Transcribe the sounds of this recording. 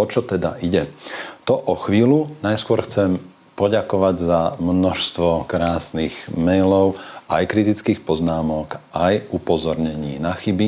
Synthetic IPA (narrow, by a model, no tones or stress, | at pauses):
ɔt͡ʃɔt̪ɛd̪a̰ʔiɟɛt̪ɔʔɔxʋiːlunajskʊɔɾxt͡sɛm | pɔɟakɔʋaɟzamnɔʃst̪ʋɔkɾaːsniɣmɛjlɔʊajkɾit̪it͡skiːxpɔznaːmɔkʔajupɔzɔɾɲɛɲiːnaxibi